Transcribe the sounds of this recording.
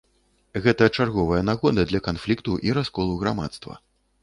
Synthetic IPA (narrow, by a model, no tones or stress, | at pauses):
ɣɛt̪ɐt͡ʂarɣɔvɐjɐnaɣɔd̪ɐd̪lʲɐkanflʲikt̪uʔiɾaskɔlˠuɣɾama̰t̪st̪vɐ̰